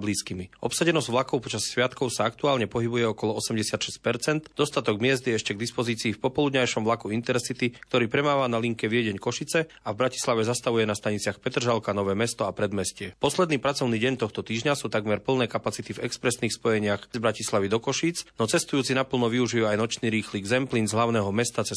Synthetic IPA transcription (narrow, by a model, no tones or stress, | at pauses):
bliːskimiɔpsaɟɛnɔzɟvʋlakɔʊpɔt͡ʃassʋɪat̪kɔʊsaakt̪uaːlɲɛpɔɦibujɛɔkɔlɔɔsɛmɟɛsɪat̪ʃɛsc̚pɛɾt͡sɛnd̪d̪ɔst̪at̪ɔɡmɪɛzd̪jɛɛʃcɛɡd̪ispɔziːt͡siːfpɔpɔlud̪ɲajʃɔmʋlakuint̪ɛɾsit̪ikkt̪ɔɾiːpɾɛmaːʋanaliŋkɛʋɪɛɟɛɲkɔʃit͡sɛ | avbɾaci̥slaʋɛzast̪aʋujɛnast̪aɲit͡sɪaxpɛt̪r̩ʒalkanɔʋɛːmɛst̪ɔapɾɛd̪mɛscɪɛpɔslɛd̪niːpɾat͡sɔʊniːɟɛɲt̪ɔxt̪ɔt̪iːʒɲasuːt̪aɡmɛɾpl̩nɛːkapat͡sit̪ivɛkspɾɛsniːxspɔjɛɲɪaxzbɾacislaʋid̪ɔkɔʃiːt͡snɔt͡sɛst̪ujuːt͡sinapl̩nɔʋiuʒijuajnɔt͡ʃniːɾiːxliːɡzɛmplinzɦlaʊnɛːɦɔmɛst̪at͡sɛ